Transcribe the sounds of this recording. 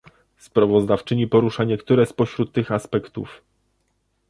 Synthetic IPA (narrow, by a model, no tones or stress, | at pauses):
spɾavɔzd̪aft͡ʂɘɲipɔɾuʂaɲɛkt̪uɾɛspɔɕɾut̪ːɘxaspɛkt̪ṵf